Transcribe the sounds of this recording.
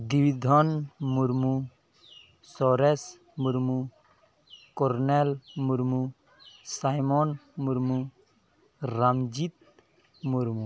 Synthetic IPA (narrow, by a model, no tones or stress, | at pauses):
d̪iwid̪ʱɔnmuɾmu | sɔɾɛs | muɾmu | kɔɾnɛlmuɾmu | sajmɔnmuɾmu | ɾamd͡ʒit̪ | muɾmu